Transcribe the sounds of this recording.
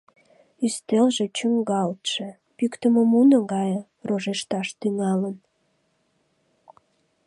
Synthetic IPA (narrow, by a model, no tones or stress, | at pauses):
yst̪elʒet͡ɕyŋɡɑlt̪ʃe | pykt̪əməmunəɡɑj | roʒeʃt̪ɑʃt̪yŋɑlən